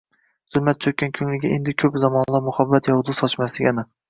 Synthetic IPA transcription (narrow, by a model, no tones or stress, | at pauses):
z̥ʊlˠmat̪̚t͡ʃʰokʲankʲʰɵŋlɪɡʲaend̪ɪkʲʰɵpzamɒnlˠamʊhabːat̪jɒwd̪usɒt͡ʃmaslɪɡʲanɪ